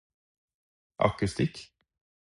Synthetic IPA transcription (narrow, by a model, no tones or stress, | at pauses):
ʔɑ̰kəst̪ɪk